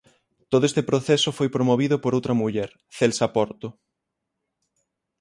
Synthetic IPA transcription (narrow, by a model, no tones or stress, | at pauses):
t̪oðoest̪epɾoθesofojpɾomoβ̞iðopoɾowt̪ɾɐmuʎɛɾ | θelsapɔɾt̪ʊ